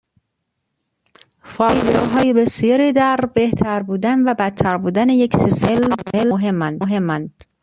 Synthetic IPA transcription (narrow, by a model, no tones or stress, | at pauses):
fɒːjd̪ɒɾɦɒːjebesjɒːɾiːd̪æɾbeht̪ʰæɾbuːd̪ænvæbæt̪ʰːæɾbuːd̪ænejecseselbelɦe̞mːænɦe̞mːænd̪̥